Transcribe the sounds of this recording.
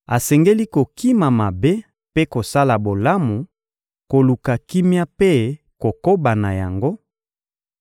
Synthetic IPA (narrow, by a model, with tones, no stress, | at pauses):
a˨sɛ˨ŋɡe˦li˦ko˨ki˦ma˨ma˨be˦ | pe˦ko˨sa˦la˨bo˨la˦mu˨ | ko˨lu˨ka˨ki˦mja˦pe˦ | ko˨ko˦ba˨na˨ja̰˨ŋɡo˦